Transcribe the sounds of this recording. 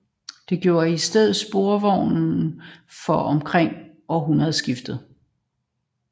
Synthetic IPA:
d̥e̝ɡ̥jo̝̰ːɐisd̥eð̰̩ˠsb̥o̝ɐʋɒʊ̰n | fɒʔɒ̽mkʰʁeŋ̰ | ɒɦunɐð̩ˠsɡ̥ifd̥ð̞̩ˠ

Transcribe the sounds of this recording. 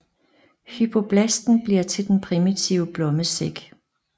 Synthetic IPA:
hypʰo̝b̥ʰlæsd̥n̩b̥liɐ̰t͡sʰe̝ld̥enpʰʁimit͡sʰiʊəb̥lɔ̽məseɡ̥

